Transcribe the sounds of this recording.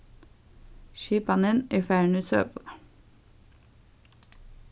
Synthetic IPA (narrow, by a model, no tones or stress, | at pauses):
ʃyːpɑnəniːfæːɳʉsø̰ːp